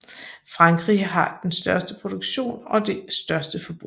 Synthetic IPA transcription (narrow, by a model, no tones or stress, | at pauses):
fʁɑ̈ŋɡ̥ʁḭɦɑ̈d̥ensd̥ɶɐsd̥əpʰʁo̝d̥o̝ɡ̥ɕo̝̰ːnɒ̽d̥e̝sd̥ɶɐsd̥əfɒ̽b̥ʁṵ